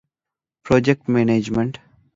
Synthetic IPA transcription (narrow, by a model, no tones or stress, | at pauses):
pɾoːd͡ʒek̚ʈmeːneːd͡ʒmẽɳʈ